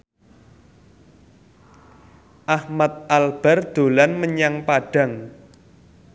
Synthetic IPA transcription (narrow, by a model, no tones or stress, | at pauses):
ʔahmat̪̚ʔalb̥a̤rd̪̥o̤lanməɲaŋpaɖ̥a̤ŋ